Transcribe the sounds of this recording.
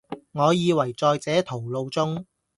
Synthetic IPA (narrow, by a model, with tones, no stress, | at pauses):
ŋɔː˨˧jiː˨˧wɐ˨˩jt͡sɔː˧jt͡sɛː˨˥t̪ʰo˨˩wlo˧wt͡sʊ˥ŋ